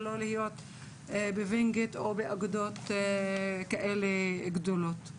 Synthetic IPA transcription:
lolihijo̞t̪ | beviŋɡit̪obeaɡud̪ot̪ | kaʔeleɡd̪olot̪

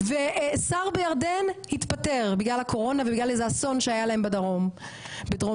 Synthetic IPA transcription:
vesaʁbejaʁd̪enhit̪pateʁbiɡlalhakʰo̞ʁo̞navebiɡlalezaːso̞nʃeajalae̞mbadaʁom | bedʁo

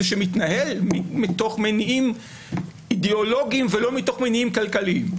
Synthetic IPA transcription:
ʃemitnahelmimito̞χmeniim | ideolo̞ɡiimvelo̞mito̞χmeniimkalkaliim

